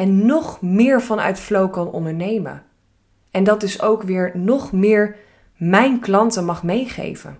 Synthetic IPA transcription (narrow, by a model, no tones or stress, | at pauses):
ɛnːɔχmɪːɹvɑnœ̰ɥtflowkɑnɔ̰ndəɹnejmə̰ | ɛndɑtɪsowkʋɪːɹnɔχmɪːɹ | mɛjnklɑntəmɑχmejχḛjvə̰n